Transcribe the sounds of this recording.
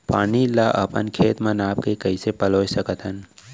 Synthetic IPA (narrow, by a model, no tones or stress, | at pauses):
paːnilaʔəpə̰nkʰeːt̪mə̃naːp̚kekəisepəloːsəkət̪ʰɦən